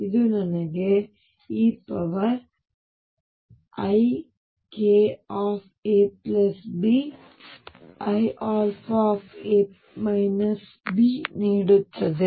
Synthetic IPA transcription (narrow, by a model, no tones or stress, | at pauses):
iðunɐnɐɡe | iːpːɐʋɐ | ɐj | keːaːf | eːplɐsbi | ɐjʔaːɾfaːfeː | mɐjnɐs | biniːɽɯt̪ːɐðe